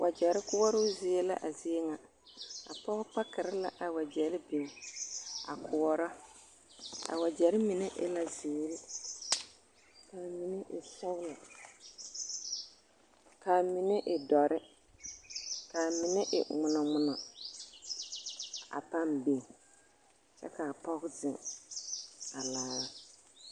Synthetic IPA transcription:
wʔa˨d͡ʒɛ˨ɾɪ˦kʊ˦wɔ˦ɾʊ˦zɪ˨˦e˦la̰˦ʔa˨zɪ˦e˦ŋa˨ | a̰˨pɔ˦pa˦kɪ˨ɾɪ˦la˨ʔa˨wa˨d͡ʒɛ˨lɪ˦be˨ŋ | a̰˨kʰʊ˨wɔ˦ɾɔ˦ | a̰˨wa˨d͡ʒɛ˨ɾɪ˦mɪ˨nɪ˦ʔɪ̰˦la˨zɪː˨˦ɾi˦ | ka˨mi˨ne˦ʔɪ̰˨sʊ˦ɣla˨ | kaː˨mɪ˨nɛ˦ʔɪ˨dɔ˨ɾʔɪ˦ | ka˨mɪ˨nɛ˦ʔɪ̰˨ŋʊ˨nɔ˨ŋʊ˨nɔ˨ | a̰˨pa˦mbe˨ŋ | t͡ʃɛ̰˦ka˨pɔ˦ɣdɪ˨ŋ | a˨laː˦ɣa˦

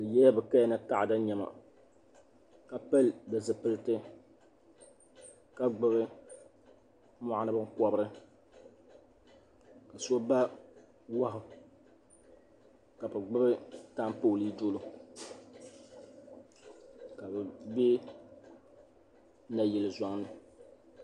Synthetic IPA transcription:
lɨ˨jɛ˦ja˦bɨ˨ka˦jnɨ˦ta˦ʔa˨da˦ɲɛ˨ma̰˨ | ka˨pɛ˦ldɨ˨zɨ˨pɨ˦lɨ˦tɨ˦ | ka˦ɡ͡bɨ˦βɨ˦ | mɔ˦ʔa˦nɨ˦bɨ˦ŋ˦kɔ˨bɨ˦ɾɨ˦ | ka˨so˦ba˦ | wa˦ɦʊ˨ | ka˨bɨ˨ɡ͡bɨ˦bɨ˦ta˦m˦poː˦˨li˦do˦lo˦ | ka˨bɛ˨be˦ | na˨jɛ˨lɨ˨za˨ŋnɨ˨

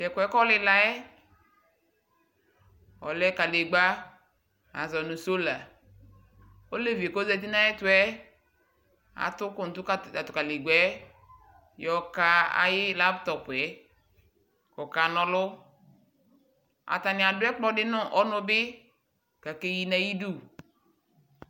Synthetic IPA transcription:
tɛ˨kwɛ˨˦kɔ˦lɪ˦la˨ɛ˦ | ɔ̰˨lɛ˦ka˨le˨ɡ͡ba˦ | a̰˨zɔ˨nʊ˨so˦la˨ | o˦le˦vi˨e˨ko˦zɛ˨t̬i˦na˦ɛ˦tʊ˦ɛ˦ | a̰˨tʊ˦kʊ˨n̩˨tʊ˦ka˨a˨tʊ˨ka˨le˨ɡ͡bɛ˦ | jɔ˨ka˦a̰˦jɪ˦la˦ptɔ˨pɛ˨ | kɔ˨ka˨nɔ˨lʊ˦ | a̰˨ta˨nɪ˨a˨dʊ˦ɛ˦k͡pɔ˦dɪ˦nʊ˦ʔɔ˦nʊ˦bɪ˦ | ka˨ke˦ji˨na˦ji˦du˦˨

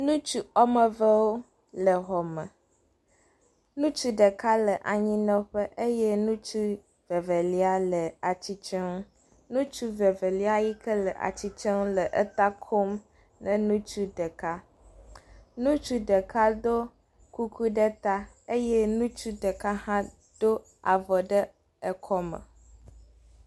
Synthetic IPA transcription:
nũ˦t͡ʃu˦ɔ˦mə˨və˦wo˦ | lə˨ɦɔ˨mə̃˨ | nũ˦t͡ʃu˦ɖə˨ka˦lə˨ʔa˨ɲĩ˦nɔ̃˦ɸə˦ʔe˦jɛ˦nũ˦t͡ʃu˦ | ve˨ve˨li˦a˦lə˨a˨t͡ɕi˦t͡ʃɛ˦ŋ˦ | nũ˦t͡ʃu˦ve˨ve˨li˦a˦ji˦kə˦lə˨ʔa̰˨t͡ɕi˦t͡ʃɛ˦ŋ˦lə˨ʔə˦t̪a˦kʰo˦m | nə̃˨nũ˦t͡ʃu˦ɖə˨ka˦ | nũ˦t͡ʃu˦ɖə˨ka˦d̪o˦ | ku˦kʰu˦ɖə˦t̪a˦ | e˦jɛ˦nũ˦t͡ʃu˦ɖə˨ka˦hã˦ | d̪̥o˦ | a˨vɔ˨ɖə˦ | ə˨kʰɔ˦mə̰˨

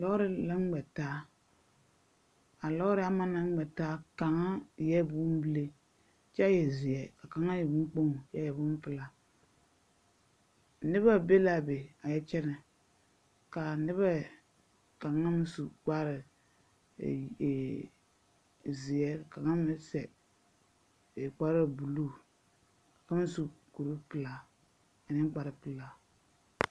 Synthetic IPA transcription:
lɔ˦ɣɾɪ˦la˦ŋ˦ɡ͡bɛ˨taː˦ | a˨lɔ˦ɣɾɪ˦a˦ma˦na˦ŋ˦ɡ͡bɛ˨taː˦ka˨ŋa˦˨jɛ˦˨bu˦m˦bi˦le˦ | t͡ʃa˦jɛ˨zɪ˨ɛ˦ka˨ka˨˦ŋa˦jɛ˨bu˦k͡po˦ŋ˨ja˦jɛ˨bʊ˦m˦pɨ˦la˨ | nɪ˦βa˦be˦la˨be˨a˨jɛ˦t͡ʃɛ˦nɛ˨ | ka˨nɪ˦βa˦˨ | ka˨ŋa˦m˦su˨ɡ͡ba˦ɾɪ̰˨ | zɪ˨ɛ˦ka˨ka˨ŋa˦mɪ˦sɛ˨ | k͡pa˦ɾa˦˨bu˨luː˦˨ | kḁ˨ka˦m˦su˨ku˨ɾu˦pɨ˨la˦ | a˨nɪ˦ɡ͡ba˨ɾɨ˨˦pɨ˨la˨

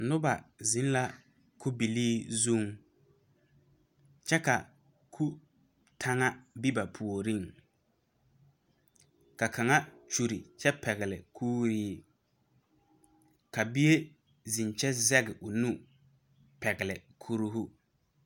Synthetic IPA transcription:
nʊ˦ba˨zi˨˦n˦la˦ | kʰu˦bi˨liː˦zu˦˨ŋ | t͡ʃɛ˦ka˨ | kʰu˦ | tʰa˦ŋa˦bi˦ba˨pʰu˨o˨ɾi˦ŋ | ka˨kʰa˨ŋa˦t͡ʃu˨ɾi˨t͡ʃɛ˦pɛ˨ɣɪ˨lɪ̰˨kʰuː˦ɾiː˦ | ka˨bi˦e˦ | zi˨nt͡ʃɛ˦zɛ˦ɡɪ˨ʔʊ˨nu˦ | pɛ˨ɣɪ˨lɪ˨kʰu˦ɾu˦ɦu˦

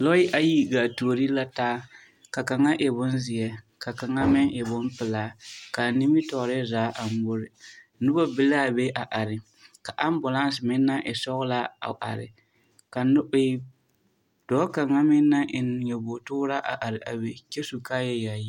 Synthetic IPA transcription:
lɔ˦ɪ˦ʔa˨ji˦ɡa˨to˨ɾi˦la˦taː˦ | ka˨ka˨ŋa˦ʔɪ˨bʊ˦nzɪ˨jɛ˨ | ka˨ka˨ŋa˦mɪ˦ŋʔɪ˨bʊ˦npɪ˨laː˨˦ka˨ni˦mi˦tɔ˨ɾɪ˦zaː˨˦ʔa˨m˦bʊ˦ɾɪ˨ | nʊ˦bɔ˦bɪ˦la˦˨be˦ʔa˨ʔa˨ɾɪ˨ | ka˨ʔa˦m˦bʊ˨la˦n˦sɪ˨mɪ˦nːa˦ʔɪ˨sɔ˦ɣla˦a̰˨ʔa̰˨ɾɪ̰˨ | ka˨nʊ˦ɪ˦˨˦ | d̥ɔː˨˦ka˨ŋa˦mɪ˦nːa˦ʔɪ˨n˨jɛ˨bo˨tʊ˦ɾa˦ʔa̰˨ʔa˨ɾɪ˨a˨be˨kɛ˦su˨ka˦jɛ˦ja˨ji˦

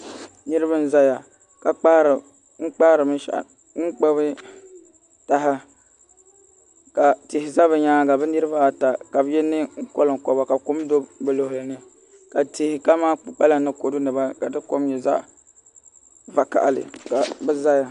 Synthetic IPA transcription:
nɨ˦ɾɨ˦βa˦n̩˦za˦ja˨ | ka˨k͡pa˦ɾ | ŋ͡m̩˦k͡pa˦ɾɨ˨mɨ˦nʃa̰˨ʔ | ŋ͡m̩˦k͡pɛ˦bɨ˦ | ta˨ɦa˦ | ka˨tɪ˨hɪ˨za˦βɛ˨ɲaː˦ɡa˨bɛ˦nɨ˦ɾɨ˦ba˦a˨ta˨ka˨bjɛ˦nːɨ˦ŋ̩˦ko˦lɨ˨ŋ˨kɔ˨ba˨ka˨kʊ˦m˦do˦bɛ˨lo˨ɦʊ˨lɨ˨nɨ˦ | ka˨tɪ˨hɪ˨ka˦maː˦k͡pa˦la˨nɨ˦ko˨dʊ˦nɨ˨ba˦ka˨dɨ˦ko˦mɲɛ˨za˦ | va˨ka̰˨ʔlɨ̰˨ka˨bɛ˦za˦ja˨

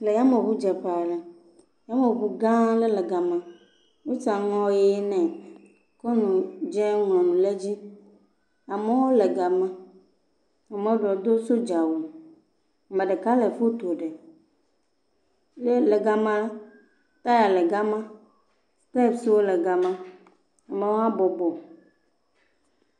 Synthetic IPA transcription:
le˨ja˦mẽ˨βu˦d͡ʒɛ˨ɸa˨lɛ˨ | ja˦mẽ˨bu˨ɡã˦le˦lɛ˨ɡa˨mã˨ | wo˦t͡ʃa˨ŋɔ̃˦je˦nɛ̃˨ | ko˦nũ˨d͡ʒɛ˦ŋlɔ̃˨nũ˨le˦d͡ʑi˦ | a˨me˦wo˦le˨ɡa˨mã˦ | a˨mẽ˨wo˦ɖɔ˨d̪o˦so˦d͡ʒa˨wo˨ | mɛ̃˨ɖɛ˨ka˦lɛ˨fo˦t̪o˨ɖɛ˨ | le˦lɛ˨ɡa˨mã˦l | t̪a˦ja˨lɛ˨ɡa˦mã˦ | stɛ˦˨bsi˨wo˦lɛ˨ɡa˨mã˦ | a˨mẽ˨wo˦a˦bɔ˨bɔ˨

